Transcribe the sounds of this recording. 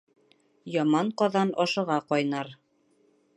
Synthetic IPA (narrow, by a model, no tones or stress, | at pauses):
jɒmɑɴqɒðɑnʔɒʃɤ̆ʁɑqɒjnɑɾ